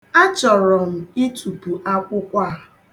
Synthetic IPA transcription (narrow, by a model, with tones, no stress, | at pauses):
a˦t͡ʃɔ˨ɾɔ˨m̩˨i˦tʰu˨pu˨ʔa˦kʷʊ˦kʷa˦˨